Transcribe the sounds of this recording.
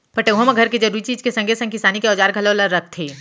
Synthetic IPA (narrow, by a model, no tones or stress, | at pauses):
pɐʈeɦõmẽɡʱɐɾked͡ʒɐɾuːit͡ʃiːd͡ʒkesɐ̃ŋɡʱesɐ̃ŋɡkɪsaːnikeɔːd͡ʒaːɾɡʱɐlolɐɾːɐk̚ʰt̪ʰeː